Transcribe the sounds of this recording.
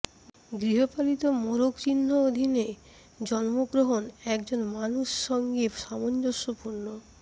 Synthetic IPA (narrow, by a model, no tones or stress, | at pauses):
ɡɾiɦopalit̪omoɾokt͡ɕinːood̪ʱine | d͡ʑɔnmoɡɾoɦonɛkd͡ʑonmanuʃːɔŋɡeʃamond͡ʑoʃopuɾno